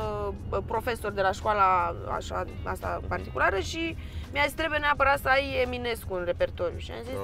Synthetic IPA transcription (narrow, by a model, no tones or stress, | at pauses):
pɾo̞fe̞so̞rd̪e̞laʃkwalaa̰ʃa̰ | a̰st̪a̰ɨ̰part̪ikulaɾəʃi | mjazist̪ɾe̞bujeneapəɾat̪səajemine̞skuunre̞pe̞rt̪o̞ɾjṵʃia̰mzis